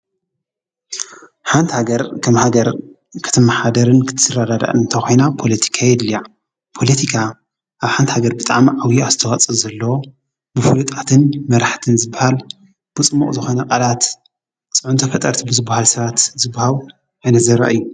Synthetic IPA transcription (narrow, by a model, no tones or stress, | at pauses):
ħant̪haɡɐɾkʰɐmhaɡɐɾ | kʰɨ̥t̪ʰɨmːaħad̪ɐɾɨnkʰɨ̥t̪ʰɨsɨrad̪ad̪a̰ʔɨnt̪ʰɐxo̞jnapʰo̞lɐt̪ʰi̥kʰajɛd̪lija | pʰo̞lɐt̪ʰikʰa | ʔaβħant̪haɡɐɾbɨt̪ʼa̰ʕmʕawiazt̪ʰɐxɐt͡sʼɐzɐlːɐwo | bɨfulut̪ʼat̪ʰɨnmɐɾaħt̪ʰɨnzɨbːahal | b̥ɨt͡sʼɨmːṵχʼzɨxo̞nɐqʼɐlat̪ | t͡sʼɨʕunt̪ʰɐfɐt̪ʼːɐɾt̪ʰibɨzɨbːahalsɐβat̪zɨbːahal | ʔajnɐzɐɾɐ̰ʔɨjːu